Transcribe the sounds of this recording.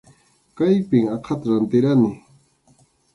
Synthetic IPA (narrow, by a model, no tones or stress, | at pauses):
kajpɪŋɑqʰɑt̪ɾant̪ɪɾanɪ